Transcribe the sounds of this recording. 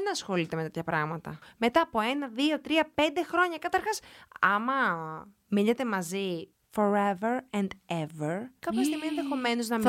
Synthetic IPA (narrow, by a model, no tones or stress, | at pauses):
nɐsxo̞lit̪e̞met̪et̪çɐpɾɐɣmɐt̪ɐ̰me̞t̪ɐːpo̞e̞nɐðio̞t̪ɾiɐpe̞nd̪e̞xɾo̞ɲɐkɐt̪ɐɾxɐsɐmɐ | miʎɐt̪e̞mɐzi | fo̞ɾeveɾɛnd̪eveɾkɐppçɐst̪iɣmienðexo̞me̞noznɐm